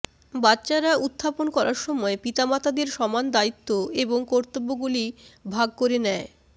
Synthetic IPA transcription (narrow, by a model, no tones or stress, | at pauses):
batːɕaɾaʔut̪ʰːaponkɔɾaɾʃɔmɔepit̪amat̪ʰad̪eɾʃɔmand̪ait̪ːoeboŋkɔɾt̪obːoɡulibʱaɡ̚koɾenɛe